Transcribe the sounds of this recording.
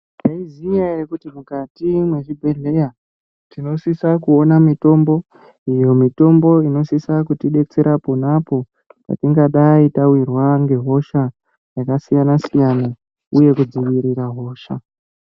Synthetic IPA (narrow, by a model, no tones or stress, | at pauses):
jaizijaerekutimukatimwe̞ʐibʱe̞ɮe̞ja | tino̞sisakuo̞namito̞mbo̞ | ijo̞mito̞mbo̞ino̞sisakutiɗe̞t͡se̞ɾʔapo̞napo̞ | pa̰tiŋɡaɗaitawirwaŋɡe̞ɦo̞ʃa | jakasijanasijana | uje̞kud͡ziʋiɾiɾaɦo̞ːʃa